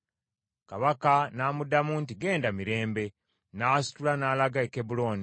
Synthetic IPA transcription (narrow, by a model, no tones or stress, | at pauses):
kaβakanaːmudamuːntiɡe̞ːndamiɾe̞ːmbe̞ | naːsi̥tulanaːlaɡaekebulo̞ːni